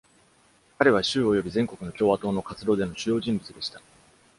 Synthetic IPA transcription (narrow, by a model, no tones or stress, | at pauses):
kaɾe̞βaɕɨːo̞jo̞bʲizẽ̞ŋko̞kɯ̟no̞kʲo̞ːβat̪o̞ːno̞kat͡sɨd̪o̞ːd̪e̞no̞ɕɨjo̞ːʑĩmbɯ̟t͡sɨd̪e̞ɕi̥t̪ḁ